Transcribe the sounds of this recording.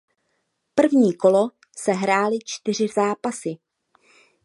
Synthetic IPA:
pr̩vɲiːko̞lo | sɛɦɾaːlɪt͡ʃt̪ɪr̝ɪzaːpasɪ

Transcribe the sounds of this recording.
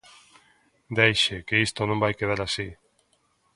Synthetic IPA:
d̪ejʃekeist̪onõmbajkeð̞aɾasi

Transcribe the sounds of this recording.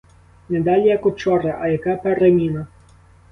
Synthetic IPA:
nɛd̪ɑlʲijɐkɔt͡ʃɔɾɐʔɐjɐkapɛɾemʲinɐ

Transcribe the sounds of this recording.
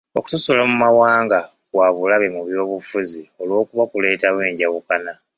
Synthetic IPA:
o̞̰ku̥sosolamumawaːŋɡa | waβulaβe̞muβjo̞ːβufuzio̞lwo̞ːkuβakule̞ːtaβweːɲɟaβukana

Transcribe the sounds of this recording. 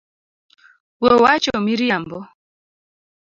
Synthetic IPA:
wowat͡ʃomiɾiambɔ

